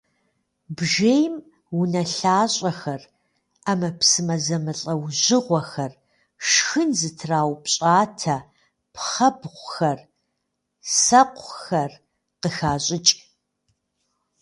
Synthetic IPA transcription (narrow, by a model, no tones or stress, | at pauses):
bʒeːjm | wʊnɐɬaːɕʼɐxɐr | amɐpsɨmɐzɐmɨɬʼɐwʑɪʁʷɔxɐr | ʂxɨnzɨtʰraːwpɕʼaːtʰɐ | pχɐbʁʷʊxɐr | sɐqʷʰxɐr | qəxaːɕʼɪt͡ʃʼ